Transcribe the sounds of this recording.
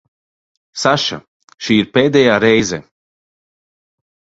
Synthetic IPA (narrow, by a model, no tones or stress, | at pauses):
saʃa̰ | ʃiːiɾpeːd̪ɛjaːɾɛjzɛ